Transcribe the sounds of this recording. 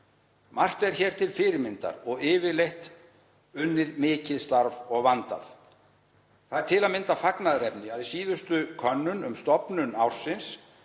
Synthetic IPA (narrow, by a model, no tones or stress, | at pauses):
mar̥t̪ɛɾ̥çɛːɾ̥t̪ʰɪlfɪːɾɪɾmɪnt̪a̰ɾɔɣɪːvɪlejht̪ | ʏnːɪðmɪːcɪðst̪aɾvɔɣvant̪a̰θ | θaðɛɾ̥t̪ʰɪlaðmɪnt̪afaknaðɾɛpnɪaðɪsiːðʏst̪ʏkʰœnːʏnʏmst̪ɔpnʏnawr̥sɪns